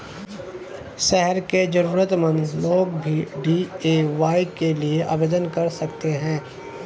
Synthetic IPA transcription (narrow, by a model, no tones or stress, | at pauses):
ʃɛɦɛɾked͡ʒɐɾuːɾət̪mə̃nd̪loːɡbʱiɖieːʋaːikelieʔa̰ːbeːd̪ənkɐɾsɐkt̪eɦɛ̃ː